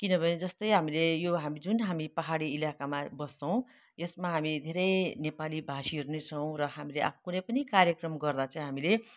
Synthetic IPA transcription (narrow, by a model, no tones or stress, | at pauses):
kinʌbʱʌned͡zʌst̪ʌjɦamilejoɦamid͡zunɦamipʌɦaɽiilakamabʌst͡sʰʌw̃ | esmaɦamid̪ʱeɾʌjnepalibʱasiʌɾunet͡sʰʌw̃rʌɦamileʔa̰pʰkunʌjpʌnikarjʌkrʌmɡʌrd̪at͡sʌ̃ĩɦamile